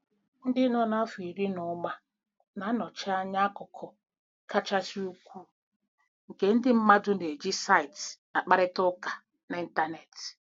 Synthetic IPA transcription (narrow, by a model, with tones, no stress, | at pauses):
n̩˦dɪ˦nɔ˦na˦fi˨ɾi˦nʊ˨˦ma˦ | na˨˦nɔ˨t͡ʃɪ˦a˦ɲa˦kɔ˨kʰɔ˨ | ka˦t͡ʃa˦t͡ʃi˦u˦kʷu˦ | ŋ̩˨ke˦n̩˦dɪ˦m̩˦ma˦dʊ˦ne˨d͡ʒi˦sa˦i˨tna˨k͡pa˦ɾɪ˦tʊ˦ka˨ | na˨i˦n̩˦ta˦ne˨t